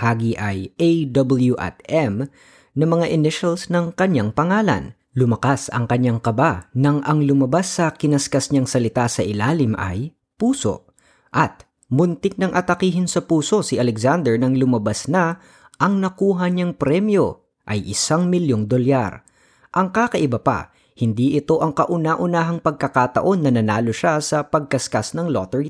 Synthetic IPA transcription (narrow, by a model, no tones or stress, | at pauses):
haːɡiʔɐjejd̪obɐljuʔɛ̰t̪ɛm | nɐmɐŋaʔɪnɪʃɐlsnɐŋkɐɲaŋpɐŋaːlɐ̰n | lʊmɐkasɐ̰ŋkɐɲːaŋkɐbanɐŋɐŋlʊmɐbasːɐkɪnɐskɐsɲaŋsɐlɪt̪asɐʔɪlaːlɪmʔɐ̰j | puːso̞̰ | ʔɐt̪̚ | mʊnt̪ɪk̚nɐŋʔɐt̪ɐkiːɦɪnsɐpuːso̞sɪʔɐlɛkzand̪ɛɹnɐŋlʊmɐbɐsnɐ | ʔɐŋnɐkuːɦɐɲɐŋpɾɛmjo̞ | ʔɐjʔɪsaŋmɪljoŋd̪oljaɾ | ʔɐŋkakɐʔɪbɐpa̰ | hɪnd̪iʔɪt̪o̞ʔɐŋkɐʔʊnaʔʊnaːɦɐŋpɐɡ̚kɐkat̪ɐʔo̞nːɐnɐnaːlo̞ʃasɐpɐɡ̚kɐskasnɐŋlo̰t̪ɛɹ